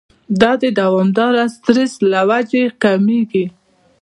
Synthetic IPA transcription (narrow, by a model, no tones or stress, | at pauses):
d̪ɑd̪əd̪awɑmd̪ɑɾast̪ɾɪslawad͡ʒekameɡi